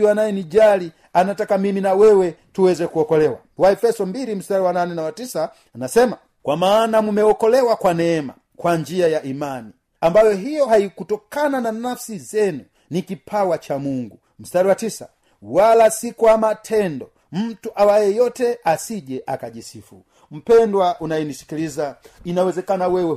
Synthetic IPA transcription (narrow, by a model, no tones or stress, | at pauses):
wanajɛnid͡ʒali | anatakamiminawɛwɛtuwɛzɛkuɔkɔlɛwa̰ | waɛfɛsɔmbiɾim̩staɾiwananɛnawatisaː | nasɛma | kwamaːnamumɛwɔkɔlɛwakwanɛːma̰ | kwaɲd͡ʒiajaʔimani | ambajɔɦijɔɦaikutɔkanananafsizɛnu | nikipʰawat͡ʃamuŋɡu | m̩staɾiwatisa̰ | walasikuamatʰɛndɔ | m̩tuʔawajɛjɔtɛasiʄɛʔakaʄisifṵ | m̩pɛndwaʔunajinisi̥kilizainawɛzɛkanawɛwɛ